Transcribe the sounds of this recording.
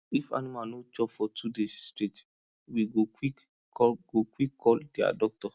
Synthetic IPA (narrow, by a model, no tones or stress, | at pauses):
ifa̰nimanot͡ʃɔpfɔtʰudesstɹet | wiɡokwik | ɡokwikʰːɔldia̰dɔk̚tɔ